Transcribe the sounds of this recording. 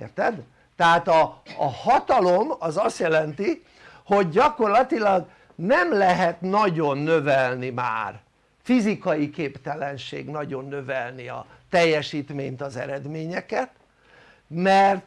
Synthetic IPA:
rt̪ɛd̪ | t̪ɛɦaːt̪ɒːhɒt̪ɒlo̞mɒzɒst̪jɛlɛnt̪i | ho̞ɟːɒko̞rlɒt̪ilɒɡ | nɛmlɛɦɛt̪nɒɟo̞nːø̞vɛlnima̰ːr | fizikɒjikeːpt̪ɛlɛnʃḛːɡnɒɟo̞nːøvɛlniɒ̰ | t̪ɛjːɛʃiːt̪meːɲt̪ɒzɛ̰ɾɛd̪meːɲɛkɛt̪ | mɛrt̪

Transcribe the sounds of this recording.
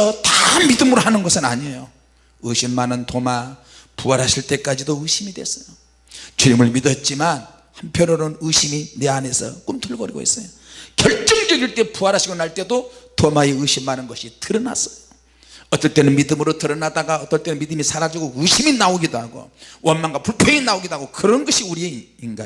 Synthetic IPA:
ʌtamidɯmɯɾoɦanɯnɡʌsʰɯna̰ɲejo | ɯɕʰimːanɯntʰoma | puaɾɦaɕʰiɭt͈e̞k͈ad͡ʑidoɯɕʰimidwe̞̰sʌ̥jo | t͡ɕunimɯɭmidʌt̚t͡ɕ͈iman | hampʰjʌnoɾonɯɕʰimineane̞sʰʌ̰k͈umtʰuɭɡʌɾiɡo̰ḭs͈ʌjo | kjʌɭt͡ɕ͈ʌŋd͡ʑʌɡiɭt͈e̞puaɾɦaɕʰiɡonaɭt͈e̞dotomaeɯɕʰimːanɯnɡʌɕʰitɯɾʌna̰sʌ̥jo | ʌt͈ːʌɭt͈e̞nɯnmidɯmɯɾotɯɾʌnadaɡaʌt͈ːʌɭt͈e̞nɯnmid̪ɯmisʰaɾad͡ʑuɡoɯɕʰiminaoɡidoaɡo̰wʔʌnmanɡapuɭpʰjʌŋinaoɡidoaɡokɯɾʌnɡʌɕʰiuɾie | iŋɡa

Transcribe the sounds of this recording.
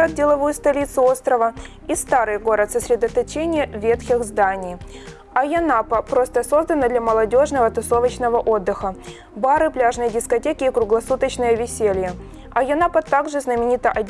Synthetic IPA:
ət̪̚dʲɪlˠɐvojʊst̪ɐlʲit̪sɨo̞st̪ɾəvə | ist̪aɾɨjɡo̞ɾət̪səsʲɾʲɪd̪ət̪ɐt͡ɕenʲɪjəvʲe̞t̪xʲɪxzd̪anʲɪj | ɐjɐnapəpɾo̞st̪əso̞zd̪ənəd̪lʲɐməlˠɐdʲo̞ʐnəvət̪ʊso̞vət͡ɕnəvəʔo̞d̪ːɨxə | baɾɨplʲaʐnəjədʲɪskɐtʲekʲɪːkɾʊɡlˠɐsut̪ət͡ɕnəjəvʲɪsʲelʲjə | ɐjɐnapət̪aɡʐɨznəmʲɪnʲit̪əʔɐdʲ

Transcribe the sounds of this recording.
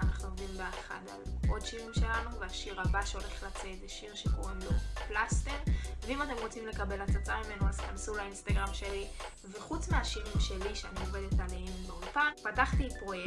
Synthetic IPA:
anaχnuo̞mdimbeaχa̰da̰lo̞dʃiʁimʃe̞lanuveaʃiʁabaʃeo̞le̞χlat͡sezeʃiʁʃeboemlo̞plast̪eʁveimate̞mʁot͡simle̞kabe̞lat͡sat͡samime̞nuazkansulainst̪aɡʁamʃe̞li | ve̞χut͡smeaʃiʁimʃe̞liʃeanioved̪etaliimbeolpanpataχt̪ipʁo̞je

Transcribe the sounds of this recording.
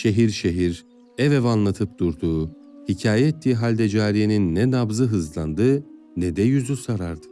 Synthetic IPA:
ʃe̞ɦiɾʃeɦiɾ | ɛvɛvanlˠat̪ʰɯp̚d̪̥uɾd̪uː | hicʰaːjɛet̪ʰːiːɦalʲd̪ɛd͡ʒaːɾijeninːɛnabzɯɦɯzlˠand̪ɯ | nɛd̪ɛjyzysaɾaɾd̪ɯ̥

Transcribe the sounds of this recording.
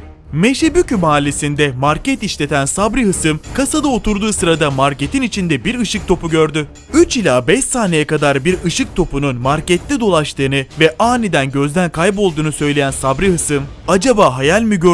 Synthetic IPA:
meʃebycymaːlʲesind̪ɛmaɾcɛt̪iʃlʲe̞t̪ʰænsabɾiɦɯsɯmkʰasad̪ao̞t̪ʰuɾd̪uːsɯɾad̪amaɾcet̪ʰinit͡ʃʰind̪ɛbiɾɯʃɯk̚t̪ʰo̞puɟøɾd̪y | yt͡ʃilʲaːbɛʃaːnejɛkad̪aɾbiɾɯʃɯk̚t̪ʰo̞pununmaɾcɛt̪ːʲid̪o̞lˠaʃt̪ʰɯːnɯvɛʔaːnid̪ænɟø̞zd̪ænkʰajpo̞lˠd̪uːnusø̞jlʲejænsabɾiɦɯsɯm | ad͡ʒabaːɦajalʲmiɟø

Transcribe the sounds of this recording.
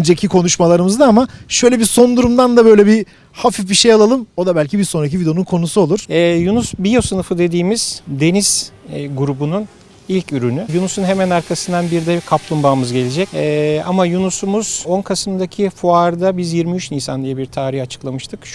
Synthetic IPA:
d͡ʒecʰikʰo̞nuʃmalˠaɾɯmɯzd̪aamaʃø̞jlʲɛbiso̞nd̪uɾumd̪and̪abø̞jlʲɛbi | hafifbiʃejalˠalˠɯmo̞d̪abælʲcʰibiɾso̞nɾac̬ivid̪e̞onunkʰo̞nusuo̞lˠuɾ̥ɛːjunusbijo̞sɯnɯfɯd̪e̞d̪iːmiz̥d̪e̞niz̥ɡuɾubunun | ilʲcyɾynyjunusunɦe̞mænaɾkʰasɯnd̪anbiɾd̪ɛkʰaplˠumbaːmɯzɟe̞lʲid͡ʒɛcɛamajunusumuz̥o̞nkʰasɯmd̪acʰifuaɾd̪abizjiɾmiyt͡ʃnijsa̰nd̪ijɛbiɾt̪ʰaːɾiçat͡ʃʰɯ̥klˠamɯʃt̪ʰɯkʃ

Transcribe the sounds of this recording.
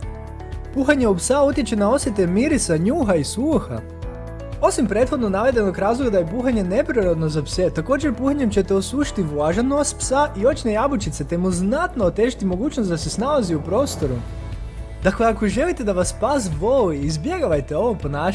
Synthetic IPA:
puxaɲe̞upsaut̪jet͡ɕe̞nao̞sjet̪e̞miɾit̪saɲuːɦaisuːxa̰ | o̞simpɾe̞ːt̪xo̞d̪nonaʋe̞d̪e̞nokɾaːzlˠo̞ɡad̪ajepuxaɲe̞ne̞pɾiɾod̪no̞zapse̞t̪ako̞ːd͡ʒe̞ɾpuxaɲe̞mt͡ɕe̞t̪eosuːʃi̥t̪iʋlaʒanost̪psaʔio̞t͡ʃnejabut͡ʃit̪se̞t̪e̞muznat̪noot̪e̞ʒit̪imo̞ɡuːt͡ɕnost̪d̪asesnalaziupɾo̞ːst̪o̞ɾu | d̪̥akle̞akoʒe̞lit̪e̞d̪aʋaspas̬ʋoliizbje̞ɡaʋajt̪eo̞ʋopo̞naː

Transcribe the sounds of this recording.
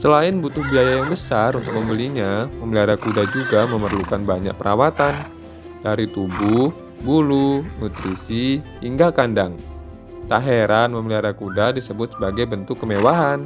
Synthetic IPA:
səlaɪnbut̪ʊhbiajajaŋbəsarunt̪ʊk̚məmbəliɲaməmliaɾakudad͡ʒuɡaməmərlukanbaɲa̰k̚pəɾʔawat̪an | daɾit̪ubʊh | bulunut̪ɾisiː | ŋɡakandaŋ | t̪aɦeɾanməmliaɾakudadisəbʊt̪̚səbaɡajbənt̪ʊkːəmewaɦan

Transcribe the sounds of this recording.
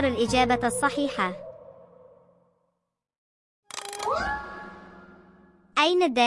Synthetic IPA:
ɾˤalʔɪd͡ʒaːbaɑsˤːɑħiːħa | ʔajnad̪ːaː

